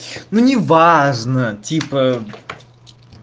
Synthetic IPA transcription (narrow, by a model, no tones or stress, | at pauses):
nunʲɪvaʐnətʲipə